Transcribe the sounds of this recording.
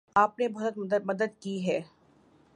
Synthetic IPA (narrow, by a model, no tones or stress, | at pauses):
aːp̚nebɔɦd̪ət̪mɐd̪əd̪̚kiɦɛː